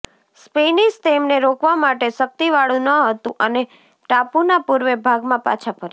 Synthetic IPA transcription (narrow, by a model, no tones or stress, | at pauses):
spenist̪emneɾokʋamaʈeʃək̚t̪iʋaɭũnəɦət̪ũʔəne | ʈapunapuɾʋebʱaɡmãpa̰t͡ʃʰapəɾ